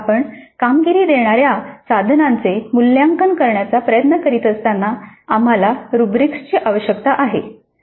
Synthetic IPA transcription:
apəɳkamɡiɾiːd̪eɳ̃aɾjasad̪ʱnant͡semulːjaŋkənkəɾɳjat͡sapɾəjət̪nəkəɾiːt̪əst̪anːaam̤alaɾubɾikʂt͡ɕiːʔaʋəɕjəkt̪aʔaɦe

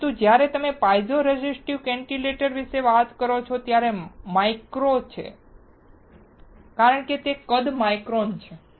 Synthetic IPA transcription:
t̪ũd͡ʒjaɾet̪əmepajd͡ʒoɾed͡ʒisʈiʋkɛɳʈileʈəɾʋiʃeʋat̪kəɾot͡ʃʰot̪jaɾemajkɾot͡ʃʰḛ | kaɾəɳ̃ket̪ekəd̪majkɾont͡ʃʰe

